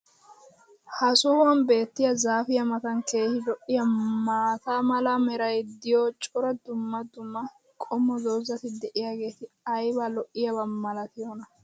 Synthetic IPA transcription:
hɐsɔːwɐnbe̞ːt̪ːɪjɐzaːfɪjɐmɐt̪ɐŋke̞ːhɪlɔʔːɪjɐmaːt̪aːmɐlɐmɛɾɐjd̪ɪjɔt͡ʃʼɔɾɐd̪ʊmːɐd̪ʊmːɐ | kʼɔmːɔd̪oːzɐt̪ɪd̪ɛʔɪjaːɡe̞ːt̪ɪ | ɐjbɐlɔʔːɪjɐbɐːɐlɐt̪ɪjɔnɐ

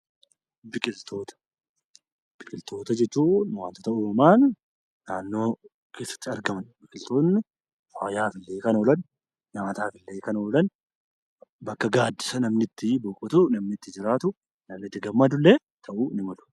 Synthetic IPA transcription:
bɪkʼɪlt̪ʰo̞ːt̪ɐ̥ | b̥ɪkʼɪlt̪ʰo̞ːt̪ɐd͡ʒɛt͡ʃːuːnwaːnt̪ɔt̪ɐʔʊɾɐmaːnː | aːnːo̞ː | kʰe̞ːsːɐ̥t̪ːɪɐɾɡɐmɐnbɪkʼɪlt̪oːnːɪ | faːjaːfɪlːeːkɐnoːlɐnː | aːt̪aːfɪlːeːkɐnoːlɐn | bɐkːɐɡaːd̪ːɪsɐnɐmnɪt̪ːɪbɔkʼɔt̪ʊnɐmnɪt̪ːɪd͡ʒɪɾaːt̪ʊ | nɐmnɪt̪ːɪɡɐmːɐd̪ʊlːeː | t̪ʰɐʔunɪmɐlʊ̥

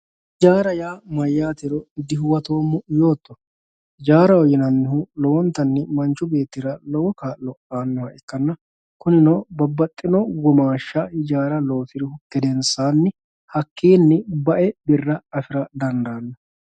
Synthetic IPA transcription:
d͡ʒaːɾɐjaːmɐjːaːt̪ɪɾɔd̪ɪɦʊwɐt̪o̞ːmːʊjo̞ːt̪ːɔ | d͡ʒaːɾɐwɔjɪnɐnːɪhʊlɔwɔnt̪ːɐnːɪmɐnt͡ʃːʊbe̞ːt̪ːɪɾɐlɔwɔkaːlːɔʔaːnːɔhɐʔɛkːɐnːɐ | kʊnɪnɔːbɐbːɐt̪ʼːɪnɔɡɔmaːʃːɐɪd͡ʒaːɾɐloːfɪɾɪhʊkːɛd̪ɛnsaːnːɪ | hɐkʰːeːnːɪbɐʔɛbɪrːɐɐfɪɾɐd̪ɐnd̪aːnːɐ

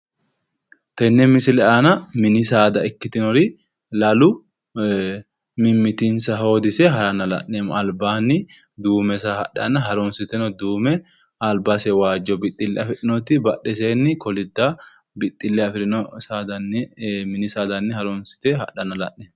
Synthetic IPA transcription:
t̪ɐnːɛmɪsɪlɛʔaːnɐmɪnɪsaːd̪ɐɪkːɪt̪ɪnɔɾɪ | lɐlʊ | mɪmːɪt̪insɐɦo̞ːd̪ɪsɛɦɐɾɐnɐlɐ̰ʔnːeːmɐlbaːnːɪ | d̪uːmɛsɐhɐ̰ɗɐ̰nɐɦɐɾɔnsɪt̪ɛnɔd̪uːmɛ | ɐlbasɛwaːd͡ʒːɔbɪt̪ʼːɪlːɛɐfɪɗɪnɔt̪ɪbɐɗːɛs̬eːnːɪkɔlɪd̪ːa | bɪt̪ʼːɪlːɛɐfɪɾɪnɔsaːd̪ɐnɛmɪnɪsaːd̪ɐnːɪhɐɾɔnsɪ̥t̪ɛɦɐ̰ᶑɐnɐlɐ̰ʔeː

